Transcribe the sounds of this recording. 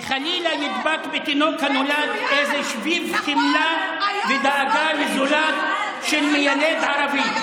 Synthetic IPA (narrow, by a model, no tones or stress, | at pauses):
χalilajid̪bat̪bet̪inokhanolad̪ʔezeʃvivtimlaved̪aʕaɡalezolat̪ | ʃelmejaled̪ʕaɾavi